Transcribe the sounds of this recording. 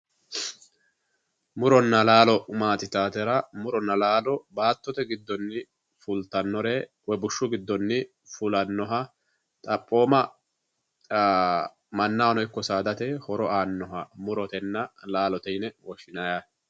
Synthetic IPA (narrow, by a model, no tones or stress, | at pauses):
mʊɾɔnːɐlaːlɔmaːt̪ɪt̪aːt̪ɛɾɐmʊɾɔnːɐlaːlɔbaːt̪ːɔt̪ɛɡɪd̪ːɔnːɪ | fʊlt̪ːɐnːɔɾeː | wɛbʊʃːʊɡɪd̪ːɔnːɪ | fʊlɐnːɔɦɐ | t̪ʼɐpʼːo̞ːmɐ | mɐnːawnɔjkːɔsaːd̪ɐt̪ɛhɔɾɔaːnːɔɦɐmʊɾɔt̪ɛnːɐlaːlɔt̪ɛjnɛwɔʃɪnɐja